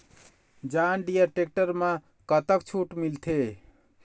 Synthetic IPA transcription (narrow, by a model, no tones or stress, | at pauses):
d͡ʒanɖijəʈek̚ʈəɾmã | kət̪ək̚t͡ʃʰuʈmilt̪ʰe